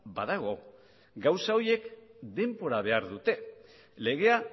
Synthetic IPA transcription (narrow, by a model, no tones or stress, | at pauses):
baðaɣo̞ | ɡawsao̞je̞kd̪e̞mpo̞ɾaβ̞e̞aɾðut̪e̞ | le̞ɣ̞e̞a